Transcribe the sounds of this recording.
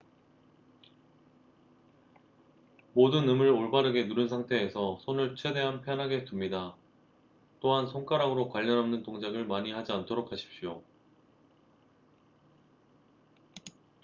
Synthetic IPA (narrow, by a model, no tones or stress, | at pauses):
modɯnːɯmɯɾoɭbaɾɯɡe̞nuɾɯnsʰaŋtʰe̞ːsʰʌsʰonɯɭt͡ɕʰwe̞de̞ɦanpʰjʌnɦaɡe̞tumɲida | t͈oɦansʰoŋk͈aɾaŋɯɾokwaʎːʌnɦamnɯntoŋd͡ʑaɡɯɭmaɲihad͡ʑiantʰoɾokʰaɕʰi̥p̚ɕ͈io